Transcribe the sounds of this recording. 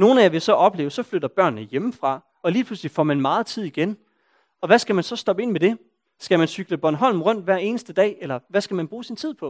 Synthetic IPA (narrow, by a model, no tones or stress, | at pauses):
no̝ːn̩æjaʋe̝sɒ̽ʔɒ̽b̥le̝̰ːʊəsɒ̽fløɾ̥ɐb̥ɶɐ̰nːəjeməfʁɑ̈ | ɒ̽liːpʰluslifɒ̰ːmænmɑ̈ːð̩ˠt͡sʰið̞̰ˠiɡ̥en | ɒ̽ʋæsɡ̥æmænsɒ̽sd̥ɒ̽b̥əe̝nmed̥e̝ | sɡ̥æmænsyɡ̥ləb̥ɒnɦɒ̽l̰m̩ʁɔ̽n̰d̥ʋæɐ̰e̝ːnəsd̥əd̥ɛ̰ːelɐʋæsɡ̥æmænb̥ʁuːsint͡sʰið̞̰ˠpʰɒ̽